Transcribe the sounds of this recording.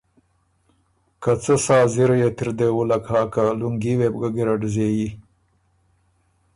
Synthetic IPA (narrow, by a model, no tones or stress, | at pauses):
kat͡səsɑːziɾajet̪ɪɾd̪ewulakhɑːkaluŋɡiweb̚ɡaɡiɾaɖzeji